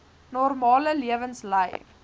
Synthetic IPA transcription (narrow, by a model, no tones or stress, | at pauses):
nɔrmɑːləliəvənsləj